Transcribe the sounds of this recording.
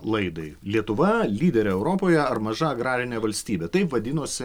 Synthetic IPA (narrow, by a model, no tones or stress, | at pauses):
lˠɐɪd̪ɐɪlʲiɛt̪ʊʋɐlʲiːd̪ʲɛɾʲɛɛʊɾoːpoːjɛɐɾmɐʒɐɐɡɾɑːɾʲɪnʲeːʋɐlʲsʲt̪ʲiːbʲeːt̪ɐɪpʋɐd̪ʲɪnoːsʲɪ